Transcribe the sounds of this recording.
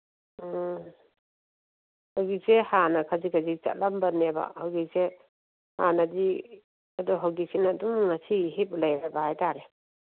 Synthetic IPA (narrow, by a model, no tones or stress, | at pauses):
hawɡisehanakʰazikʰazit͡ʃa̰t̚lambaneba̰hawɡise | ha̰nadi | adɔɦawɡisinadumŋasiɦip̚lajɾabahajtʰaɾe